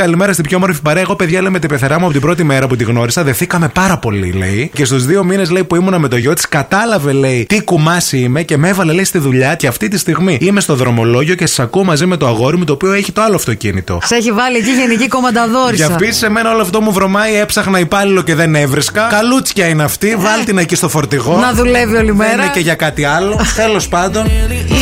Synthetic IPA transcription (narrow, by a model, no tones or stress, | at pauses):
kɐlime̞ɾɐst̪ibçoemo̞ɾfipɐɾeɐeɣope̞ðʝɐleimet̪ipeθeɾɐmuɐpo̞t̪ibɾo̞t̪ime̞ɾɐput̪̬iɣno̞ɾisɐðe̞θikɐme̞pɐɾɐpo̞lḭle̞̰ice̞st̪uzðio̞mine̞sle̞ipuimunɐme̞t̪o̞ʝo̞t̪i̥skɐt̪ɐlɐve̞le̞it̪ikumɐsime̞ce̞me̞vɐle̞le̞ist̪iðuʎɐceɐft̪it̪ist̪iɣmiime̞st̪o̞ðɾo̞mo̞lo̞ʝio̞ce̞sɐ̥sɐkuomɐzime̞t̪oɐɣo̞ɾimot̪oːpio̞eçit̪oɐloɐft̪o̞cḭnḭt̪o̞̰seçivɐliɐciʝe̞niciko̞mɐnd̪ɐðo̞ɾiɐpisi̥se̞me̞nɐo̞loɐft̪o̞muvɾo̞mɐie̞psɐxnɐipɐlilo̞ce̞ðe̞ne̞vɾiskɐkɐlut͡scɐineɐft̪ivɐlt̪inɐcist̪o̞fo̞ɾt̪iɣo̞nɐðuleviolimeeɾɐeceʝɐkɐt̪iɐlot̪e̞lo̞spɐnd̪o̞n